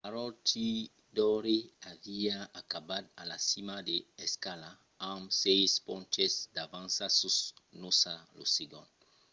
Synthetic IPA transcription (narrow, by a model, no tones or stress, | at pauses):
aɾɔti | d̪ɔɾeaviaakabad̪alasimad̪eeskala | amsejspõnt͡ʃesd̪avãnsasusnosaloseɡõnd